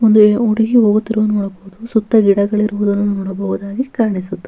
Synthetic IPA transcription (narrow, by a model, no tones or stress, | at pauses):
ond̪ueuɽiɡiɦoːɡut̪ːiɾuʋunɔːɽɐboʋud̪usut̪ːɐɡiɽɐɡɐɭiɾuʋud̪ɐnːunɔːɽɐbɐɦud̪aːɡikaːɾɐɳisut̪ːu